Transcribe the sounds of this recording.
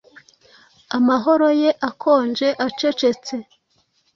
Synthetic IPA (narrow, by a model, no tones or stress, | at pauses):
amaɦoɾojeʔakʰo̞ːnd͡ʒe̞ʔat͡ʃe̞t͡ʃe̞t͡se̞